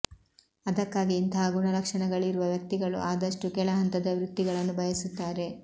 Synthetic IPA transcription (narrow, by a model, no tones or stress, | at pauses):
ɐd̪ɐkːaːɡiːnt̪ɐɦaɡuɳɐlɐkʂɐɳɐɡɐɭiɾuʋɐʋjɐk̚t̪iɡɐɭṵʔaːd̪ɐʂʈukɛɭɐɦɐnt̪ɐd̪ɐʋɾud̪ːiɡɐɭɐnːubʱɐjɐsut̪ːaːɾe̞